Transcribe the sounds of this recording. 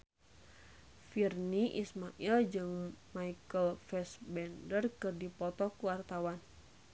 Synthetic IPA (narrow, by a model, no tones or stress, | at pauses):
firniʔismaʔild͡ʒɨŋmaikəlfɛsbɛndərkɨrdipɔt̪ɔkuwart̪awan